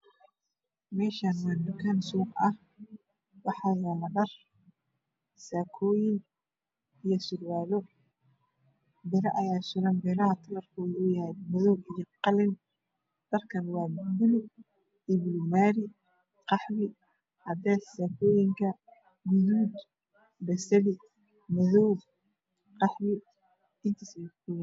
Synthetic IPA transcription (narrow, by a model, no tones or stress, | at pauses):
mɛːʃanadʊkʰɐnsuːqɐh | wɑħɑːjaːlɐɖɐr | saːkʰɔːjɪŋ | ijɔsʊrwaːlɔ | bɪɾɐʔɐjaːsʊɾɐnbɛːɾɐɦɐt̪ʰɐlɐrkʰɔːðʊʊjɐhɛjmɐðɔwijɔqɑlɪn | d̪̥ɐrkʰɐnwɑːbʊlʊ | ɪβlmaːɾɪ | qɑħmɪ | hɐd̪ɛːsaːkʰɔːjɪŋkʰɐ | ɡʊðuːd̪ | bɛsɐlɪ | mɐðɔwl | qɑħmɪ | ɪnt̪ʰɐsakʰɔːjɪ